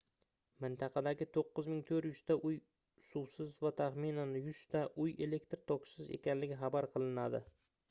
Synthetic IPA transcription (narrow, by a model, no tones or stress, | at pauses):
mɪnt̪ʰɑqʰɑd̪aɡʲɪt̪ʰoqːɨzmɪŋt̪ʰɵɾjʊst̪aʔʊj | suwsɪzvat̪ʰaχmɪnanjʊst̪aʔʊje̞le̞kʲt̪ɾt̪ʰɒksɪze̞̰kʲʰanlɪɡʲɪχɑbaɾqʰɨlˠɪnad̪ɪ